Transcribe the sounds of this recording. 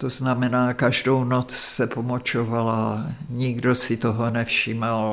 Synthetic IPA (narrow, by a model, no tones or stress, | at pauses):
t̪oznamɛnaːkaʒdownot͡ssɛpomot͡ʃovalaɲiɡdosit̪oɦonɛfʃimal